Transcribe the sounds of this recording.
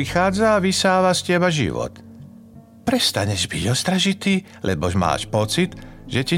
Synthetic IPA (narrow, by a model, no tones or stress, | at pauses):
ixaːd͡zaːʋisaːʋascɛbaʒḭʋɔ̰t̪ | pɾɛst̪aɲɛʒbiɟɔst̪ɾaʒit̪iː | lʔɛbɔʒma̰ːʃpɔt͡sid̪ʒɛci